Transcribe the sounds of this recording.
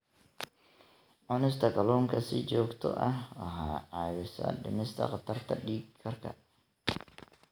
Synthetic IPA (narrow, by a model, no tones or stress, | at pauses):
ʕɔnɪst̪ʰɐkʰɐlɔːŋkʰɐsɪt͡ʃɔːɡt̪ʰɔ̰ʔɐhwɐɦaːʕaːwɪsɐ̰ɖɪ̰nɪst̪ʰɐ̰qɑt̪ʰɐrt̪ʰɐɖiːɡkʰːɐrkʰɐ̰